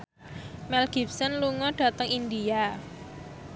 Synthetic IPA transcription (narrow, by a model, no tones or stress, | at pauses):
mɛlɡ̥i̤p̚sənluŋɔɖ̥ä̤t̪əŋind̪ia